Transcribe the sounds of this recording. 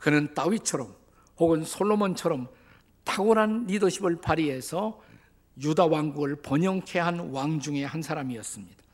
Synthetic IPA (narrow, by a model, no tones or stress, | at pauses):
kɯnɯnt͈awit͡ɕʰʌɾʌm | hoɡɯnsʰoɭːomʌnt͡ɕʰʌɾʌm | tʰaɡoɾanːidʌɕʰibɯɭpaɾiɦe̞sʰʌ | judawaŋɡuɡɯɭpʌɲʌŋkʰe̞ɦanwaŋd͡ʑuŋe̞hansʰaɾamiʌs͈ɯmɲid̥ḁ